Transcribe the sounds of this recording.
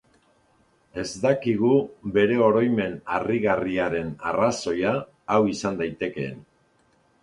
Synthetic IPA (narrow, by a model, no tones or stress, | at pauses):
e̞zd̪akiɣ̞uβe̞ɾe̞o̞ɾo̞jme̞nariɣariaɾe̞naraso̞jaː | wisand̪ajt̪e̞ke̞̰ːn